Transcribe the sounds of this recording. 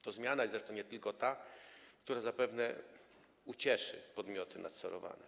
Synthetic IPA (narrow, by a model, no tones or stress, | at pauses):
t̪ɔzmʲjanajɛsɾɛʂt̪ɔ̃wɲɛt̪ɘlkɔt̪ak̚t̪uɾazapɛvnɛ̰ | ut͡ɕɛʂɘ̰pɔd̪mʲjɔt̪ɘna̰t̪sɔɾɔ̰va̰nɛ